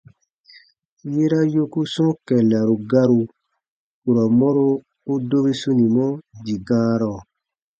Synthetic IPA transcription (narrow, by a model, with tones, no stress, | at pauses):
je˦ɾa˦jo˦ku˦sɔ̃˦kɛ˨la˨ɾu˨ɡa˦ɾu˧ | ku˨ɾa˨mɔ˦ɾoː˦ | do˦bi˦su˦nĩ˨mɔ̃˦di˨ɡãː˦ɾɔ˨